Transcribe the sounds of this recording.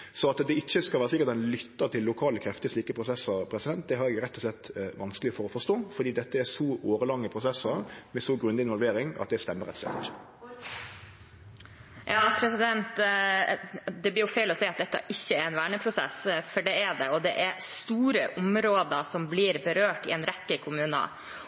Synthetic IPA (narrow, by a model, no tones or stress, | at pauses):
sɔɑt̪d̪ɛɪçːəskɑlʋæːɾəsɪkːəɾt̪hɛnlʏt̪ːəɾt̪ʰɪlːʊkʰɑːləkʰɾɛft̪ɪəsliːkəpʰɾʊsɛsəɾpʰɾɛsɪd̪ɛnt̪̚d̪ɛɦɑɾɛɡɾɛt̪ːɔslɛt̪ːʋɑnskəlɪfɔɾɔfɔʂt̪oːfɔd̪iːd̪ɛt̪ːəæsɔʔoːɾəlɑŋːəpʰɾʊsɛsəɾmɛsɔɡɾʉnɪnʋɔlʋeːɾɪŋɑ̰t̪̚d̪ɛst̪ɛmːəɾɛ̰t̪ːɔ̥slɛ̰t̪ːɪçə̥ | jɑːpʰɾɛsɪd̪ɛnt̪ | d̪ɛblɪːjʊfeːlɔsɛɪɑt̪̚d̪ɛt̪ːə̰ʔɪçːəɛɾɛnʋæːɳəpʰɾʊsɛ̰sfɔɖɛæɖɛɔd̪ɛʔæɾst̪uːɾəʔʊmɾoːd̪əsɔmbliːɾbəɾøːʈɪ̰ɛnɾɛkːəkʰʊmʉːnə̰